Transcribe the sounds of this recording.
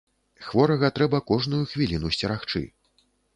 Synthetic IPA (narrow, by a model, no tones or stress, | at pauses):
xvɔɾɐɣɐt̪ɾɛbɐkɔʐnujuxvʲilʲinusʲt͡sʲɛɾaxt͡ʂɨ̰